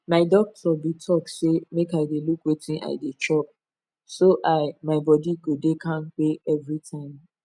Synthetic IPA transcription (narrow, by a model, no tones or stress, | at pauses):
maɪdɔk̚tʰɔbitʰɔk̚semekaɪdelukwetʰĩnʔa̰ɪdet͡ʃɔp̚ | soʔaɪmaɪbɔdiɡodekʰãnk͡peɛvɹitʰãɪ̃m